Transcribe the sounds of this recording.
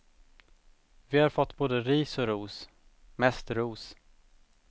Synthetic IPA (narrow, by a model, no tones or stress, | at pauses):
vɪhaɾfɔt̪ːboːd̪əɾiːsɔɾuːs | mɛst̪ɾuːs